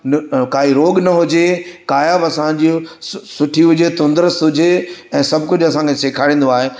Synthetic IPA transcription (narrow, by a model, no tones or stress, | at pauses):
nkaːɦiɾoːɠnɐɦʊd͡ʑekaːjəbɐsãɲd͡ʑisʊʈʰiɦʊd͡ʑet̪ʊ̃nd̪əɾəsɦʊd͡ʑeɛ̃ːsɐbʱkʊd͡ʑʱɐsãːŋkʰeseːkʰaːɽĩːnd̪oaːɦe